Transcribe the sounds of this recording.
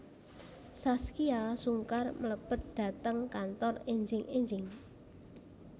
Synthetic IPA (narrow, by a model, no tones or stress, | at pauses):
saskiasuŋkarmələb̥ət̪̚d̪̥ä̤t̪əŋkant̪ɔreɲd͡ʒɪŋʔeɲd͡ʒɪŋ